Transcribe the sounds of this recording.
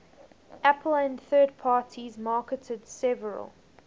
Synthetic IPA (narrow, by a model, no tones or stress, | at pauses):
ʔæpʰəl̩æ̃nθɜːd̚pʰɑːtʰizmɑːkətʰədsɛvəɹə̰lˠ